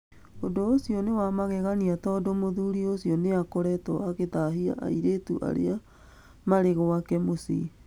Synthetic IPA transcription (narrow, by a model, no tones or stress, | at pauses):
odoːsiɔnewamaɣɛɣaniatɔdomoðuːɾiosiɔneakoɾɛtɔaɣetaɦia̰ʔa̰iɾetuʔa̰ɾḛa | maɾeɣɔwakɛmosḭ